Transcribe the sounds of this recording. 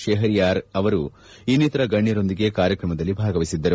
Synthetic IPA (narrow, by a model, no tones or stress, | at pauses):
ʃeːɦɐɾijaːɾɐʋɐɾu | iːniːt̪ɐɾɐɡɐɳːjɐɾo̞nd̪iɡe̞kaːɾjɐkɾɐmɐd̪ɐlːibʱaːɡɐʋisid̪ːɐɾu